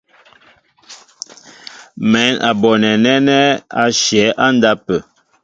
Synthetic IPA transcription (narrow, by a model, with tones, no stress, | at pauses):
mɛ˨˦na̰˨bɔ˨nɛ˨nɛ˦nɛ˦a˦ʃjɛ˨˦ʔa˦n˦da˦pə˨